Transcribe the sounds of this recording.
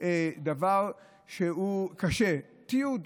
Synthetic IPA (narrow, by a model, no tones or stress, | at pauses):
ed̪avaʁ | ʃeukaʃe | t̪ijud